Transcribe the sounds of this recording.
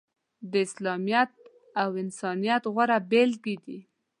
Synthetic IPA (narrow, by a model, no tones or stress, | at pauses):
d̪əɪslɑmijat̪̚ | awɪnsɑnijat̪ɣwaɾabelɡid̪i